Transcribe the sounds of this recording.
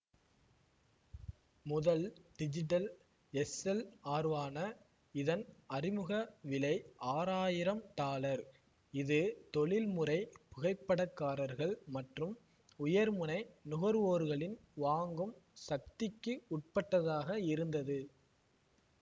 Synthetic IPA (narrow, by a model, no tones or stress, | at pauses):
mʊðɐlɖ̥ɪd͡ʒɪʈ̬ɐl | ɛsɛlaːɾʋaːnɐ | ɪðɐnɐrɪmɯɣɐʋɪlɐɪaːɾaːjɪɾɐmt̪aːlɐɾ | ɪðɯt̪ɔɭɪlmɯɾɐɪpʊɣɐɪpːɐɽɐkːaːɾɐɾɣɐɭmɐʈrɯm | ʊjɐɾmɯnɐɪnʊɣɐɾʋoːɾɣɐɭɪnʋaːŋɡɯmsɐk̚t̪ɪkːɯʊʈ̚pɐʈːɐðaːɣɐɪɾɯnd̪ɐðɯ